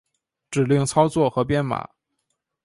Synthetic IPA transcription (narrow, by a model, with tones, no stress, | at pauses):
ʈ͡ʂɻ̩˨˩li˥˩ŋt͡sʰɑ˥ʊt͡swɔ˥˩xɤ˧˥pjɛ˥nma̰˨˩˦